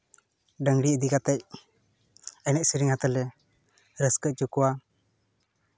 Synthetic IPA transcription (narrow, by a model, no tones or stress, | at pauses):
ɖəŋɽiəd̪ikat̪ɛc̚ | ənɛc̚siɾiŋhat̪əlɛ | ɾəskət͡ʃukuwa